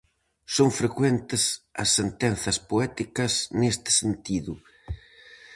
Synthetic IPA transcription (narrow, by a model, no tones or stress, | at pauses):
soŋfɾekwɛnt̪ɪsɐ̰sːent̪ɛn̟θɐspoɛt̪ikɐsnest̪ɪ̥sent̪iðʊ